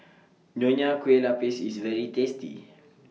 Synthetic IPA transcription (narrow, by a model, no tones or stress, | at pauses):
ɲoɲakwelapesisvɛɾitestḭ